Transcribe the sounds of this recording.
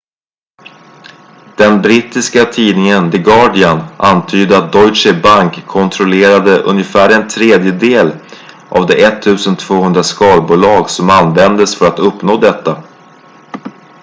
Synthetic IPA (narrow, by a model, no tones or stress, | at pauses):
d̪̥ɛnbɾit̪ːɪskat̪ʰiːnɪŋənd̪ɪɡɑːɖɪanant̪ʰyːd̪əat̪̚d̪ɔjʂɛbaŋkʰːɔnt̪ʰɾɔleːɾad̪əʔɵ̰njəfæːɾɛnt̪ʰɾeːd̪jəd̪eːl | ʔa̰vd̪ɛʔɛt̪ʰːʉ̟ːsənt̪ʰvoːhɵnd̪ɾaskɑːlbuːlɑːɡsɔmanvɛnd̪əsfœɾat̪ɵpnoːd̪ɛt̪ːa